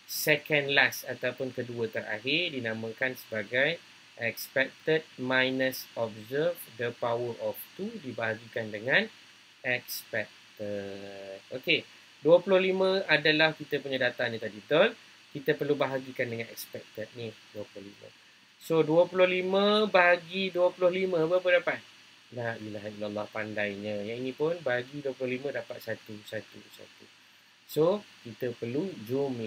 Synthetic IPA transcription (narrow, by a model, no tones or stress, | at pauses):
sɛkɛndlasat̪aupʊnkəduət̪əɾa̰ɦɪrdinãmə̃kansəbaɡaj | ʔɛkspɛk̚t̪ət̪̚majnəsɔb̚zərvdəpawərɔft̪udibaɦaɡikandəŋãn | ɛk̚spɛk̚t̪ət̪̚oke | duəpulʊhlimə̃adalahkit̪əpuɲadat̪anĩt̪adit̪ɔn | kit̪əpərlubaɦaɡikandəŋanɛ̰k̚spɛk̚t̪ət̪̚niduəpulʊhlḭmə̰̃ | soduəpulʊhlimə̃baɦaɡiduəpulʊhlimə̃bəapədapat̪̚ | laʔilaɦailalːɑhpandajɲə̃jaŋinĩpʊnbaɦaɡiduəpulʊhlimə̃dapat̪̚sat̪usat̪uusa̰t̪u | sokit̪əpərlud͡ʒumla